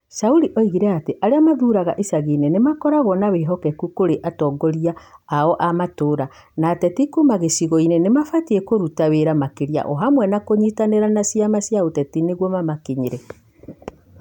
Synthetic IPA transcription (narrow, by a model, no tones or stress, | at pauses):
sauɾiʔoiɣiɾɛateʔaɾeamaðuːɾaɣaʔesaɣiːnenemakɔɾaɣɔnaweɦɔkɛkukoɾeʔatɔːɡɔɾiaːɔʔamatoːɾa | naːtɛtikumaɣesiɣɔinenemafatiɛkoɾutaweɾamakeɾia̰ʔɔɦamwɛnakoɲitaneɾanasiamasjaotɛtineɣwɔmamakeɲiɾɛ